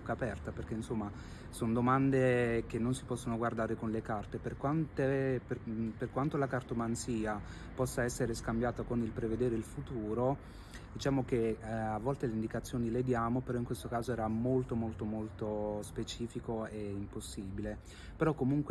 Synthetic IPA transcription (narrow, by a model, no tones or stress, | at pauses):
kːapɛrt̪aperk̟einsomːa | sond̪omand̪ek̟enːonsipɔsːonoɡward̪aːɾekonlekart̪eperkwant̪eperperkwant̪olakart̪omansiːa | pɔsːaɛsːeɾeskambjaːt̪akonilpɾeved̪eːɾeilfut̪uːɾo | d̪it͡ʃaːmok̟eavːɔlt̪eleind̪ikat̪sːjoːniled̪jaːmopeɾɔiŋkwest̪okaːzoɛːɾamolt̪omolt̪omolt̪ospet͡ʃiːfikoeimposːiːbile | peɾɔkːomuŋkw